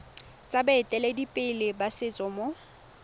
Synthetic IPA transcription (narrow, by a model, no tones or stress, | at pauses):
t͡sʼabaɪtʼɛlɛdipʼɪlɪbasɪt͡sʼɔmo